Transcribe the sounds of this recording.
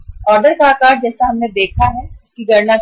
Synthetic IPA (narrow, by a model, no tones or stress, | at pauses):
ɔːɾɖəɾkaːkaːɾd͡ʒɛːsaɦɐmned̪eːkʰaɦɛʊskiɡɐɾna